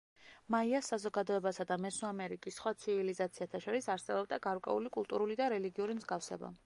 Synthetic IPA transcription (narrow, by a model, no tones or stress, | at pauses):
maiasːazɔɡad̪ɔɛbasad̪amɛsuamɛɾikʼisːχwat̪sʰivilizat̪sʰiat̪ʰaʃɔɾisaɾsɛbɔb̚d̪aɡaɾkʼwɛ̰ulikʼulˠt̪ʼuɾulid̪aɾɛliɡiuɾimzɡafsɛ̰ba̰